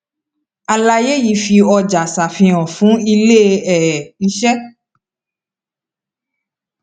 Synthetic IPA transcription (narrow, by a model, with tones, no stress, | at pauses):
a˨la˧je˦ji˧fi˧ɔ˧d͡ʒa˨sa˨fĩ˧ɔ̃˨fũ˨˦i˧le˦˧˦ɛ˨i˧ʃɛ˦